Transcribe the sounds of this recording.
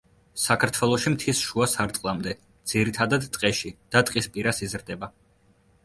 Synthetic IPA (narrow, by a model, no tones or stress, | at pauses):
sakʰaɾt̪ʰwɛlˠɔʃimt̪ʰisʃuasaɾt̪ʼqʼlˠamd̪ɛ | d̪z̥iɾit̪ʰad̪ad̪t̪ʼqʼɛʃid̪̥at̪ʼqʼispʼiɾasizɾd̪ɛba